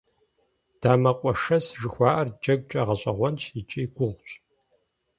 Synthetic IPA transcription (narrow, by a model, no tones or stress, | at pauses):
d̥aːmɐqʷʼɔʂɐsʒɨxʷɑːʔɐrd͡ʒɐɡ̚ʷt͡ʃʼɐʁɐɕʼɐʁʷɔnt͡ʃʰit͡ʃʼiːɡʷʊʁʷt͡ʃʼ